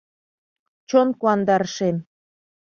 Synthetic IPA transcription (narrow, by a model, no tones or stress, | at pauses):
t͡ɕonkuɑnd̪ɑrʃem